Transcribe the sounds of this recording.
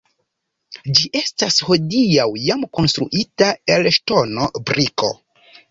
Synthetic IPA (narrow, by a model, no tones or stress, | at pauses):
d͡ʒiʔe̞stasho̞diawjamko̞nstɾṵʔitae̞lʃto̞no̞bɾiko̞̰